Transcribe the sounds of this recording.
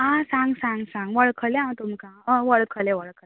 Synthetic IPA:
ãsãŋɡsãŋɡsãŋɡʋəɭkʰəleãt̪umkaəʋəɭkʰəlɛʋəɭkʰə

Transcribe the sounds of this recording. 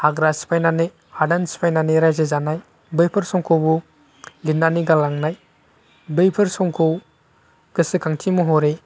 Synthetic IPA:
haɡɾasi̥pʰajnanɯ | adansi̥pʰajnaniɾajzezanaj | bɯjpʰɯɾsɔŋkʰowbu | linːaniɡalaŋnaj | bɯjpʰɯɾsɔŋkʰow | ɡ̥ɯsikʰaŋtʰimuɦɔɾe

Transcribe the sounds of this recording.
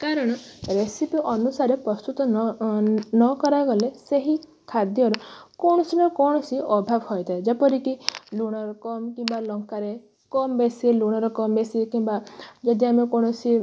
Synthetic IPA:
kaɾɔɽ̃ɔɾesipiʔɔnusaɾepɾɔst̪ut̪ɔ | nɔkɔɾajɡɔleseɦi | kʰad̪jɔɾɔkɔɳ̃ɔsinɔkɔɽ̃ɔsiɔbʱabɦɔjt̪aed͡ʒapɔɾikiluɽ̃ɔɾɔkɔmkĩmbalɔŋkaɾe | kɔmbesiluɽ̃ɔɾɔkɔmbesikimbad͡ʒɔd̪iamekɔɽ̃ɔsi

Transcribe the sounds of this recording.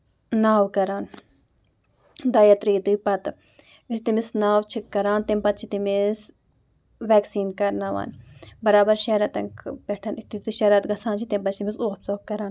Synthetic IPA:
naːwkɐɾaːn | d̪ɐːjɐt̪ɾiːd̪ɨpɐt̪ | ist̪imisnaːwt͡ʃʰikːɐɾaːnt̪empɐt̪̚t͡ʃʰit̪imis | ʋɛːksiːnkɐɾnaʋa̰ːnbɐɾaːbɐɾʃeɾɐt̪ɐŋkpeʈʰɐnit̪it̪iʃɐɾɐt̪ɡɐsʰãːnt͡ʃʰit̪empɐt͡ʃʰt̪imisuːɣɐpsoːkːɐɾaːn

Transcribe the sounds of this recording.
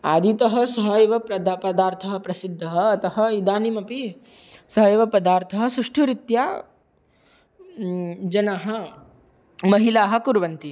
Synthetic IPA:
a̰ːd̪ʱit̪ɐɦɐ̆sɐɦɐjʋɐpɾɐd̪apɐd̪aːɾt̪ʰɐɦɐpɾɐsid̪ʱːɐɦɐːt̪ɐɦɐ̆id̪aːnimɐpi | sɐɦɐjʋɐpɐd̪aːɾt̪ʰɐɦɐsɾuʂʈʰuɾit̪jaː | d͡ʒɐnaːɦɐ̆ | mɐɦilaːɦɐ̆kuɾʋɐnt̪i

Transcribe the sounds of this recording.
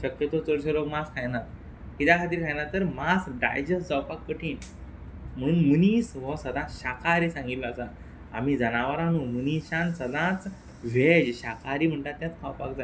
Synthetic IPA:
ɕəkjət̪ot͡sɔɾɕəlokmaskʰajnat̪̚ | kit̪jakʰat̪̬iːɾkʰãjnat̪ːəɾmasɖa̰jd͡ʑəsd͡zəwpakːəʈʰiːn | munmunisʋɔsəd̪ãt͡sɕakʰaɾiːsãŋɡit̪ləəsa | a̰m̤iːd͡zənaʋaɾãnumuniɕãnsəd̪ãt͡s | ʋed͡ʑɕakʰaɾiːm̤əɳʈ̪at̪ːjãt͡s̪kʰawpakd͡za

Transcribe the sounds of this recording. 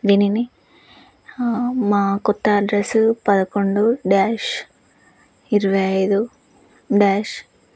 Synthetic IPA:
d̪iːnini | maːkɔt̪ːɐːɖɾɐsupɐd̪ɐkoɳɖuɖaːʂ | iɾiʋɐjɐjd̪u | ɖaːʃ

